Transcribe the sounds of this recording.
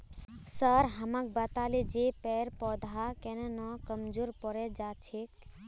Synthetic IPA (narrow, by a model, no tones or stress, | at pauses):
səɾɦəmãk̚bət̪aled͡ʒepɛɾpɔd̪ʱakenɛnɔkəmd͡ʒuɾpɔɾɛd͡ʒat͡ʃʰek